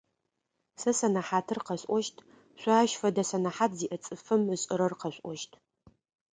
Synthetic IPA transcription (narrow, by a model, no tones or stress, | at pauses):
sɐsɐnɐħaːtʰɨrqɐɕʼʔʷɔʃtʰ | ɕʷɑːʃfɐdɐsɐnɐħaːtʰziːʔɐt͡sʼɨfɨmɨɕʼɪɾɐrqɐɕʷʼʔʷɔʃtʰ